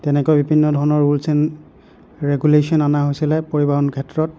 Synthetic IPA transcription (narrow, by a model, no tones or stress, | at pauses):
tɛnɛkɔjbibʱinːɔdʱɔɹɔnɔɹulsɛn | ɹeɡulesiɔnanaɦojsilɛpoɹibaɦɔnkʰɛtɹɔt̚